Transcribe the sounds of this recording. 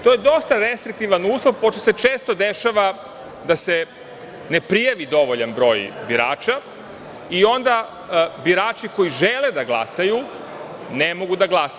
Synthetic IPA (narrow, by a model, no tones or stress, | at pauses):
t̪o̞jed̪o̞st̪aɾe̞st̪ɾik̚t̪iʋanuːslˠoʋpo̞ʃt̪oset͡ʃeːst̪o̞d̪eʃaʋa | d̪ase | nepɾijaʋid̪o̞ʋoʎanbɾo̞ːjbiɾa̰ːt͡ʃa | io̞nd̪a | biɾaːt͡ʃiko̞iʒeled̪aɡlˠa̰saju | nemo̞ɡud̪aɡlˠas